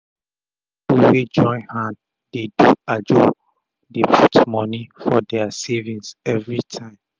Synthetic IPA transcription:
bufed͡ʒɔ̃ɪ̃nhãn | d̥eduad͡ʒo | depʰutmɔnifɔdɛasevĩnsɛvɹitʰãɪ̃m

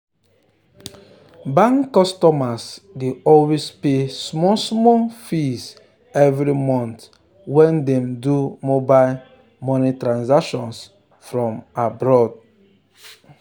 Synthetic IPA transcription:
bãŋkːɔstɔmasdeɔlwespesmɔsmɔfis | ɛvɾimɔ̃nt | wɛ̃ndɛ̃mdumoba | mɔnitɾãnzakʃɔ̃ns | fɾɔ̃mabɾɔd

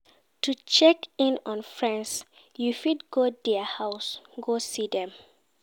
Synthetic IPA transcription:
tʰut͡ʃɛkĩnɔ̃nfɹɛ̃ns | jufidɡodɛəhaʊsɡosidɛ̃m

